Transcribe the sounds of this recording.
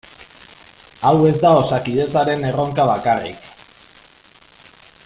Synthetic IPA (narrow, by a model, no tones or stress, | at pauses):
awe̞zd̪ao̞sakið̞e̞t͡saɾe̞ne̞ro̞ŋkaβakarḭk